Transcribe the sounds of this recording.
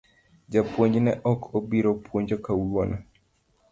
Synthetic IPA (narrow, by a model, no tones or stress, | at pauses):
d͡ʒapwoɲd͡ʒnɛʔɔkʰobiɾopwoɲd͡ʒɔkawonʔɔ